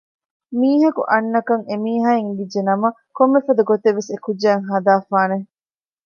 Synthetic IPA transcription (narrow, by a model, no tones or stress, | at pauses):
miːɦɐkṵʔɐnːɐkɐŋemiːɦaːiŋʋid͡ʒːenɐmɐ | komːefɐd̪uɡot̪eʋːesekud͡ʒːæːŋɦɐd̪aːfaːne